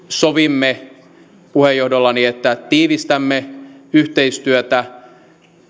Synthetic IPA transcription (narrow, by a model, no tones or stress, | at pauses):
soʋimːe | puhejohdolːɑniet̪ːæt̪iːʋist̪æmːeyht̪eist̪yøt̪æ